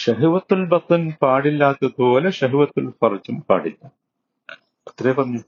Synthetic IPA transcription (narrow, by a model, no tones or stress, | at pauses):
ʂɐɦiʋɐt̪ːulbɐt̪ɨnpaːɽilːaːt̪ːɐtoːleʃɐɦiʋɐt̪ːulfɐrɐt͡ɕːumpa̰ːɽilːɐ | ɐt̪ːɾeːpɐmɐ